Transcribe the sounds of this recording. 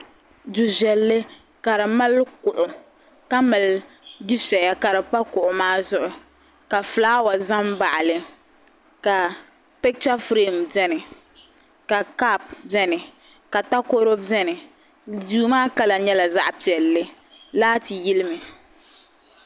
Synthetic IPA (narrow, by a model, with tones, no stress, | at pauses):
du˨ʒɛ˨lːɪ˦ | ka˨ɾɨ˨ma˦lkʊ˨ʔʊ˨ | ka˦mɨ˨l | di˦sɛ˨ja˦ka˨ɾɨ˨pa˦kʊ˨ʔʊ˨maː˦zʊ˦ʔʊ˨ | ka˨flaː˦wa˨za˦mba˨ʔa˨lɪ˨ | ka˨ | pɛ˦k̚t͡ʃa˦fɾeː˦˨m˨d͡ʒɛ˦nɪ˨ | ka˨ka˦p̚bɛ˦nɪ˨ | ka˨ta˦ko˦ɾo˦ɛ˦nɪ˨ | du˨˦maː˦ka˦la˨ɲɛ˦la˨za˦ʔpi˨ɛ˨lːɪ˦ | laː˦ti˨ji˦lɪ˦mɪ˨